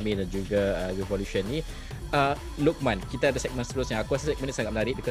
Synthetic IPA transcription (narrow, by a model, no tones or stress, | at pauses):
mĩdand͡ʒuɡaəɹivɔluʃənːi | ə | luk̚mãnkit̪aadəsɛk̚mə̃nst̪əɾusjãŋakuasəsɛk̚mə̃nsaŋat̪̚ənaɾiʔbikɔ